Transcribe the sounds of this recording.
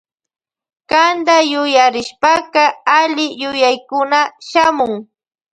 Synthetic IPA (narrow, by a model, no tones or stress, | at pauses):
kand̪ajʊjaɾɪʃpakɑaʎɪjʊjajkʊnaʃamʊŋ